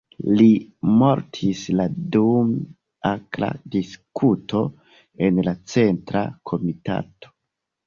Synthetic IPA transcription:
limo̞ɾtʰisladum | akla̰diskʰutʰo̞ | enlat͡se̞ntɾa̰kʰo̞mita̰to̥

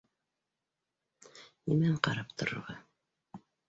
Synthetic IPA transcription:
nimæɴqɑɾɑp̚t̪ŏɾŏ̰ɾʁɑ

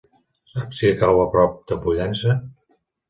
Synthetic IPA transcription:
sapsikawəpɾɔp̚d̪̥əpuʎɛnsə

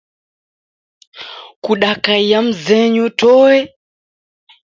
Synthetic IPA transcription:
kuɗakaijam̩zɛɲutʰɔwɛ

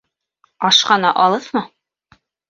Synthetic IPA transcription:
ɒʃqɑnɑ̰ʔɒlˠɤθmɤ

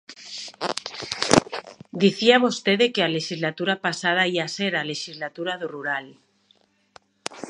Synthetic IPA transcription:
d̪iθiamost̪eðekeale̞ʃizlat̪uɾapasað̞aiaseɾaleʃizlat̪uɾaðuruɾal

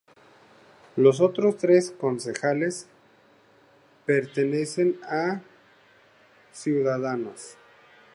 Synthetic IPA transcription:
los̬o̞t̪ɾo̞st̪ɾe̞sko̞nse̞xale̞s | pe̞ɾt̪e̞ne̞se̞na | sjuðaðanos

